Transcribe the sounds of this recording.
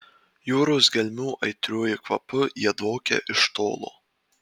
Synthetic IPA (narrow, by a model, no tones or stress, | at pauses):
juːɾosɡʲɛlʲmʲuːʔɐɪt̪ʲɾʲuːjɪkʋɐpʊjiɛd̪oːkʲɛ̰ʔɪʃt̪o̰ːlˠo̰ː